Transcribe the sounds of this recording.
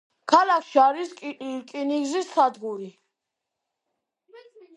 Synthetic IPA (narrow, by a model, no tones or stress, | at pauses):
kʰalakʰʃiaɾisʼkʼiniɡzisːad̪ɡuɾi